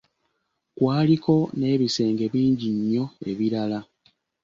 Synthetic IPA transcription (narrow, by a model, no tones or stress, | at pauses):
kwaːliko̞ne̞ːβise̞ːŋɡe̞βiːɲɟiɲːo̞e̞̰βiɾala